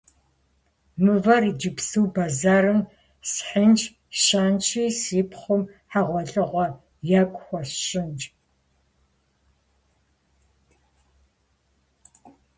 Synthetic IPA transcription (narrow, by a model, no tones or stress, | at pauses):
mɨvɐrid͡ʒɪpsɨwbaːzaːɾɨm | sħənt͡ʃʰ | ʃaːnt͡ʃʰiːsiːpʰχʷʊmħaʁʷɔɮɨʁʷɔ | jakʷʼxʷɔɕɕɪnt͡ʃʼ